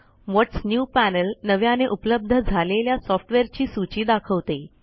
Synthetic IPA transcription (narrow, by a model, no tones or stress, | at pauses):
ʋɔʈsnjupænəlnəʋjaneʔupələb̚d̪ʱəd͡zʱaleljasɔfʈʋeɾt͡ɕiːsut͡ɕiːd̪akʰəʋt̪e